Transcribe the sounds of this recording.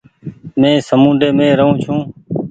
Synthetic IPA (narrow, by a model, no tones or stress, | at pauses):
mẽːsəmũːnɖeːmẽːɾəɦũːt͡ʃʰũː